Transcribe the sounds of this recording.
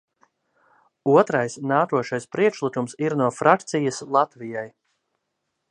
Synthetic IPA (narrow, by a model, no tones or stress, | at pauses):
uɔt̪ɾajsnaːkuɔʃajspɾiɛkʃlˠikumsiɾnuɔfɾak̚t̪sijəslˠat̪vijaj